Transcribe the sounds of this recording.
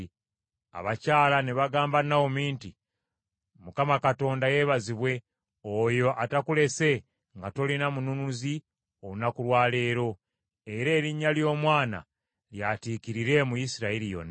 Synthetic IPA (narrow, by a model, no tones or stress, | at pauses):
a̰βacaːlane̞βaɡaːmbanawo̞miːnti | mukamakato̞ːndaje̞ːβaziβwe̞ | ojo̞ʔatakule̞se̞ | ŋɡato̞linamununuzi | ounakulwaːle̞ːɾo̞ | e̞ɾe̞ːɾiɲːaljo̞ːmwaːna̰ | ljatiːkiɾiɾe̞mujisiɾailijo̞̰na